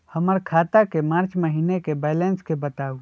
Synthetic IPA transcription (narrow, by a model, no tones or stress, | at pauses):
həməɾkʰaːt̪akemaːɾt͡ʃməɦiːnekebɛːlɛ̃nskebət̪aːu